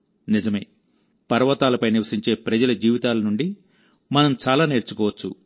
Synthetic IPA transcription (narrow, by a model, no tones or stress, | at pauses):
nizɐme̞ː | pɐɾɐʋɐt̪aːlɐpɐjniʋɐsiɲt͡ʃe̞ːpɾɐd͡ʒɐlɐd͡ʒiːʋit̪aːlɐnuɳɖi | mɐnɐmt͡ʃaːlaːne̞ːɾt͡ʃukɔːʋɐt͡ʃːu